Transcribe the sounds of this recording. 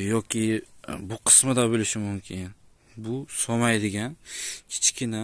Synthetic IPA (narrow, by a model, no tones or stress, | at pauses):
jɒkʲʰɪbʊqʰɨ̥smɪd̪abolɪʃɪmʊmkʲʰɪn | bʊsɒmajd̪ɪɡʲankʲʰɪ̥t͡ʃkʲɪna